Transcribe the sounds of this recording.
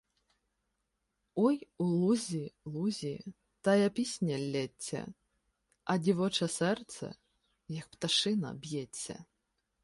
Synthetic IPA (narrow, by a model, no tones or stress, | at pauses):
ɔjulˠuzʲilˠuzʲi | t̪ajɐpʲisʲnʲɐlʲːɛt͡sʲːɐ̰ | ɐdʲivɔt͡ʂɐsɛrt̪sɛ̰ | jɐk̚pt̪aʂɨnɐ̰bʲjɛt͡sʲːɐ̰